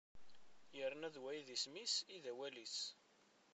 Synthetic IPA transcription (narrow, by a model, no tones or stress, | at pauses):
jəɾnæðwæjiðismisiðæwælis